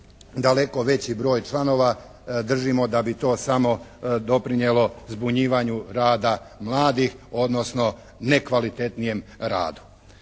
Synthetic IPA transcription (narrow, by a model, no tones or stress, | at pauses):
d̪ale̞ko̞ʋe̞t͡ɕibɾo̞ːjt͡ʃlˠano̞ʋa | d̪r̩ʒimo̞d̪abit̪o̞ːsamo̞d̪o̞pɾinjelo̞zbuɲiːʋaɲuɾaːd̪a | mlˠaːd̪ixo̞d̪no̞sno̞ | ne̞kʋalit̪e̞t̪nije̞mɾa̰ːd̪u̥